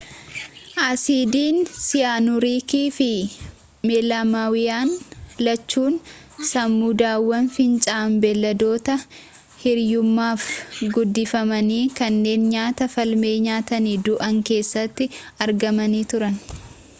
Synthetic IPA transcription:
ʔaːsiːd̪iːnsɪjaːnʊɾiːkiːfɪ | meːlaːmaːwɪjaːnlɐt͡ʃːuːn | sɐmːuːd̪aːwːɐnfɪnt͡ʃʼaːmbɛlːɐd̪o̞ːt̪ɐ | hɪɾjʊmːaːfɡʊd̪ːɪfɐmɐniːkɐnːe̞ːnɲaːt̪ɐfɐlme̞ːɲaːt̪ɐniːd̪ʊʔɐŋke̞ːsːɐt̪ːɪɐɾɡɐmɐniːt̪ʊɾɐn

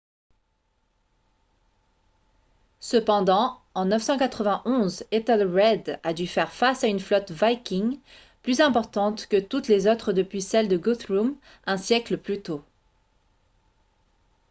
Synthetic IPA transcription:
səpɑ̃d̪ɑ̃ɑ̃nœfsɑ̃kat̪χəvɛ̃ʔɔ̃zet̪ɛlʁɛd̪ad̪yfɛʁfasaynflɔt̪vajkʲiŋ | plyzɛ̃pɔʁt̪ɑ̃t̪kət̪ut̪lezot̪χəd̪əpɥisɛld̪əɡut̪ʁum | ɛ̃sjɛkləplyt̪o

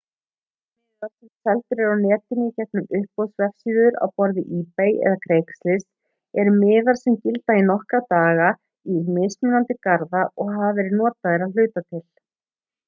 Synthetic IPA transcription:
mɪːðaɾ̥sɛsɛlt̪ʏɾɛɾawnɛːt̪ɪnɪcɛhpnʏmʏhpːɔwsvɛfsiːðʏɾa̰wpɔɾðɪʔiːpejɛ̰ðakʰɾejkst̪lɪs | ɛɾʏmɪːðaɾ̥sɛmcɪlt̪ainɔhkat̪aːɣa | imejsmʏnant̪ɪkaɾðaʔɔɣɦavɛɾɪnɔːt̪aðɛɾaðl̥ʏːt̪at̪ʰɪl̥

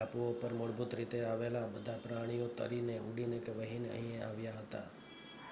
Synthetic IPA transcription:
apuopəɾmʊɭbʊt̪ɾit̪eaʋelabəd̪ʱapɾaɽ̃ijot̪ə̰ɾineuɽinekʋəɦinə̰ɦĩjea̰ʋjaɦət̪a̰

